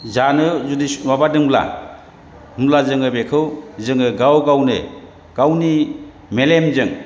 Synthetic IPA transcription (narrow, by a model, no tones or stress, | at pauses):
zanɯzudiswabadɯŋbla̰ | hɯmlazɯŋɯbekʰɯwzɯŋɯɡawkawnɯ̰ | kawni | melemzɯŋ